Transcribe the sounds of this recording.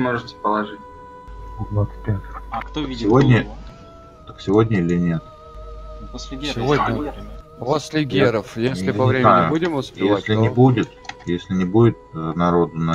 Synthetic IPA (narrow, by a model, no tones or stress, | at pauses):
moʐɨt̪ʲɪ̥pəlˠɐʐɨtʲ | d̪vat̪sɨ̥t̪ʲpʲɛt̪t̪əsʲɪvodʲnʲə | t̪əksʲɪvo̞dʲnʲəilʲɪnʲe̞t̪̚ | ksʲɪvod̪ʲə | vosʲlʲɪɡʲeɾəfjesʲlʲɪpɐvɾʲemɪajʊbudʲɪmʊspʲɪjeasʲlʲɪnʲɪbudʲɪt̪jesʲlʲɪnʲɪbudʲɪt̪̚nɐɾo̞d̪ʊnɐ